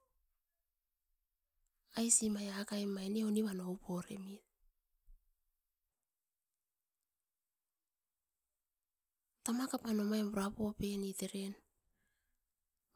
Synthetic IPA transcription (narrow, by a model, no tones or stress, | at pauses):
ajsimajakajmajneoniβanowpoɾḛmi | tamakapanomaemuɾapope̞niteɾen